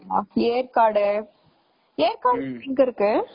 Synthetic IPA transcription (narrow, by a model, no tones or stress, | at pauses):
aːeːɾkaːɽɯ | eːɾkaːɽnɡɐɪɾɯkːɯ